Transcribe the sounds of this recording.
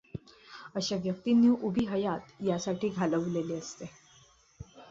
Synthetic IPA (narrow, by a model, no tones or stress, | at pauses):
əɕaʋjək̚t̪injuʔubʱiɦəjat̪jasaʈʰiːɡʱaləʋleleəst̪e